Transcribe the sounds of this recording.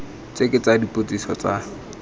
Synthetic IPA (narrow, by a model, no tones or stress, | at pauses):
t͡sekʼet͡sadipʼot͡sisɔt͡sa